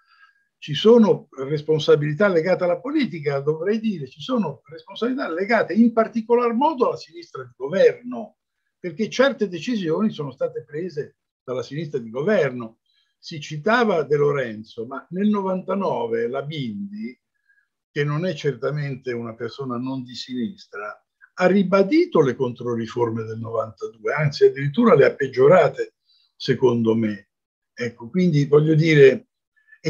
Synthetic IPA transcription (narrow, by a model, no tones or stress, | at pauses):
t͡ʃisoːnoresponsabilit̪alːeɡaːt̪ealːapoliːt̪̬ik̬ad̪ovɾɛjd̪iːɾet͡ʃisoːnoresponsabilit̪alːeɡaːt̪eimpart̪ikolarmɔːd̪oalːasinist̪ɾad̪iɡovɛrno | perk̟et͡ʃɛrt̪ed̪et͡ʃizjoːnisoːnost̪aːt̪epɾeːze | d̪̥alːasinist̪ɾad̪iɡovɛrno | sit͡ʃːit̪aːvad̪eloɾɛnt̪somanelnovant̪anɔːvelabind̪i | k̟enːonɛt͡ʃːert̪ament̪eunapersoːnanond̪isinist̪ɾa | arːibad̪iːt̪olekont̪ɾoriformed̪elnovant̪ad̪uːeant̪siad̪ːiɾit̪̬ːuːɾaleapːed͡ʒːoɾaːt̪e | sekond̪ome | ɛkːokwind̪ivɔʎːod̪iːɾe